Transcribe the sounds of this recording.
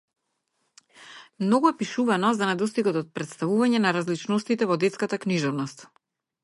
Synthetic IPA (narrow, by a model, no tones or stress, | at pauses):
mnɔɡuɛpiʃuvanɔzanɛd̪ɔst̪iɡad̪ɔt̪̚pɾɛt̪st̪avuvaɲɛnaɾazlit͡ʃnɔst̪it̪ɛvɔd̪ɛt̪skat̪akniʒɔvnɔst̪